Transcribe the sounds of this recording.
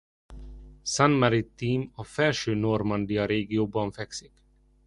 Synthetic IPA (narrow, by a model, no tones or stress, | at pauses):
sanmaɾɪt̪ːiːmɔfɛlʂøːnɔɾmand̪ɪaɾeːɡɪubɑnfɛksɪk